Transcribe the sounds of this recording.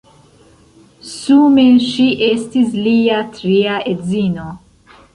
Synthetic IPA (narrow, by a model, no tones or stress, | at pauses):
sumenʃiʔest̪isliːat̪ɾiaet̪ziːno